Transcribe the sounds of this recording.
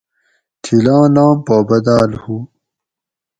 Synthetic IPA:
t̪ʰilãːnãːmpaːbɐd̪aːlhu

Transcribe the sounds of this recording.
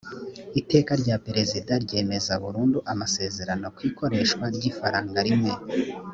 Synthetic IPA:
ite̞ːkaɾɟapeɾe̞zidaɾɟe̞ːme̞zaβuɾuːnduʔamase̞ːze̞ɾano̞kwiːko̞ɾe̞ʃkwaɾɟifaɾaːŋɡaɾimŋe̞

